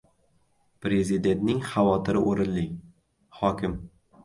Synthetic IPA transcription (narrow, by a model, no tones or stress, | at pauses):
pɾe̞zɪd̪e̞nt̪nɪŋχavɒt̪ʰɪɾɪʔoɾɪnlɪŋ | hɒkʲɪm